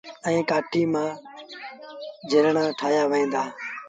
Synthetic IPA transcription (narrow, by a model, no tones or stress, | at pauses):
ɛ̃ːkaːʈʰiːmãː | d͡ʒʱɪɾɳãːʈʰaːjaːʋəẽːnd̪aː